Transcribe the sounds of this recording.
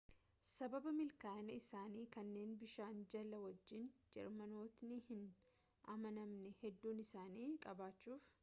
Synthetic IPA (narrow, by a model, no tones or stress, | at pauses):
sɐbɐbɐmɪlkaːnɐɪsaːniːkɐnːe̞ːnbɪʃaːnd͡ʒɐlɐwɐd͡ʒːɪnd͡ʒɛ̰ɾmɐno̞ːt̪nɪhɪn | ʔɐ̰mɐnɐmnɛhɛd̪ːuːnɪsaːniːkʼɐbaːt͡ʃːuːf